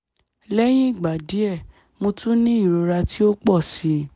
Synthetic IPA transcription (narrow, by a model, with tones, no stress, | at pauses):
lɛ˦j̃ĩ˦i˦˨ɡ͡ba˨di˨˦ɛ˦˨ | mõ˧tũ˦nĩ˦i˦˨ɾo˨˧ɾa˧ti˦o˦k͡pɔ˦˨si˨˦